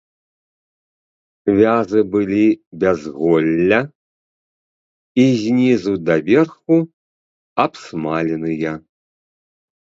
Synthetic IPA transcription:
vʲazɨbɨlʲibʲazɣɔlʲːɐ | izʲnʲizud̪ɐvʲɛrxu | ɐpsmalʲɛnɨjɐ

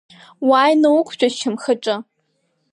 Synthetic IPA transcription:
waːjnɐwʊkʷʰʒʷʼɐʃʰɐmxɐʈ͡ʂʼɐ

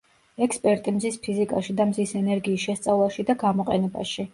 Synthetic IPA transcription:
ɛkspʼɛɾt̪ʼimzispʰizikʼaʃid̪amzisɛnɛɾɡiːsʃɛst̪sʼavlˠaʃid̪aɡamɔqʼɛnɛba̰ʃi

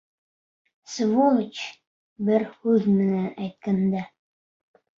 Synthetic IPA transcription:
svolˠə̆t͡ɕ | bɘɾhʉðmɘ̆nænæjt̪̚kænd̪æ

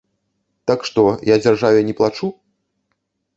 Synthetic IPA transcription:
t̪akʂt̪ɔjad͡zʲarʐavʲɛnʲɛplˠat͡ʂu

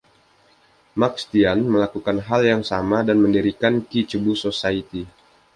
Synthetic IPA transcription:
makst̪ianməlakukanɦaljaŋsamadanməndiɾikankit͡ʃəbusosait̪i

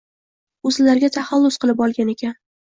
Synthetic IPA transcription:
ɵzɪlaɾɡʲat̪ʰaχalˠːʊsqʰɨlˠɪpɒlˠɡʲane̞kʲʰan

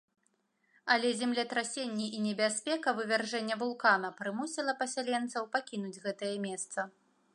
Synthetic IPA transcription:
ɐlʲɛzʲɛmlʲɛt̪ɾasʲenʲːiʔinʲɛbʲasʲpʲɛkɐvɨvʲarʐɛnʲːɛvulˠkanɐpɾɨmusʲilˠɐpɐsʲalʲɛnt̪sɐwpakʲinud͡zʲɣɛt̪ɐjɐmʲɛst̪sɐ

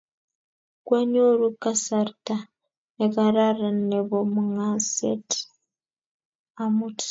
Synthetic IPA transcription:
kweɲoɾukasaɾta | ekaɾaɾaneβomuŋasḛti̥ | amuti̥

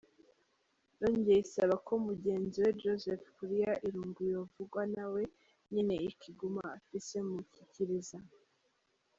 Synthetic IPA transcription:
noːɲɟjeisaβakʰo̞muɟe̞ːnziwed͡ʒozefkuɾijaʔiɾuːŋɡujovuɡwanawe̞ | ɲine̞iciɡumaːfise̞muciciɾiza

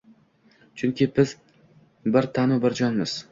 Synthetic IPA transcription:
t͡ʃʰʊŋkʲɪbɪz̥ | bɪɾt̪ʰanʊbɪɾd͡ʒɒnmɪz̥

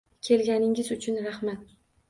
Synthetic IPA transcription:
kʲʰe̞lɡʲanɪŋɪzʊt͡ʃʰʊnɾahmat̪̚

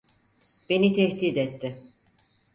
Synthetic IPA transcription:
b̥e̞nit̪ʰɛht̪iːd̪ɛt̪ːɪ

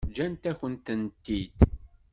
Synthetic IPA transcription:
d͡ʒænt̪æçənt̪ənt̪ːid̪

